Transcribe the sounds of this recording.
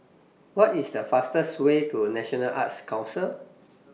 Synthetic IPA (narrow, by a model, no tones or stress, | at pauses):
wɔtisdəfastəswetunɛʃɔnəlʔa̰tskãw̃nsəl